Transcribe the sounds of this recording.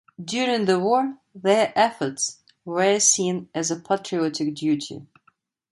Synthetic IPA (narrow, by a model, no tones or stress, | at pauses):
djʊɹɪ̃ŋðəwɔɹðə˞ʔɛfə˞ts | wə˞sĩnɨzəpʰætʰɹ̥iɔtɪk̚djʉtʰḭ